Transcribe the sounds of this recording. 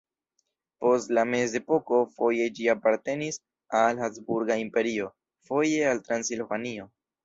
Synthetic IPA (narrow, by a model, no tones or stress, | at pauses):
po̞stlame̞ze̞po̞ko̞fo̞je̞d͡ʒiapaɾte̞nis | alhasbuɾɡaimpe̞ɾio̞ | fo̞je̞altɾansilvanio̞